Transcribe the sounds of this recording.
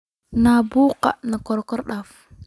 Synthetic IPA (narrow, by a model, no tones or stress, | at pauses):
nabuqa̰nakɔɾkɔɾɗaf